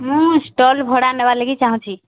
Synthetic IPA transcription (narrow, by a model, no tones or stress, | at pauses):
mũsʈɔlbʱoɽanəbaleɡit͡ʃaɦũt͡ʃʰi